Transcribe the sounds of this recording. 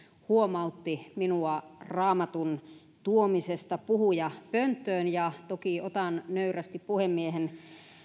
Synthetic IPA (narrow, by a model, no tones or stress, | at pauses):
huomɑut̪ːiminuɑrɑːmɑt̪un | t̪uomisest̪ɑpuhujɑpønt̪ːˑøːnjɑt̪okiot̪ɑnnøyræst̪ippuhemːiehen